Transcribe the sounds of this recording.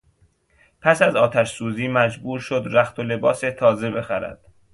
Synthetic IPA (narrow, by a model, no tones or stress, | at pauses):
pʰæsæzɒːt̪ʰæʃsuːziːmæd͡ʒbuːɾʃo̞d̪ɾæxt̪ʰo̞le̞bɒːset̪ʰɒːze̞be̞xæɾæ̰d̪̥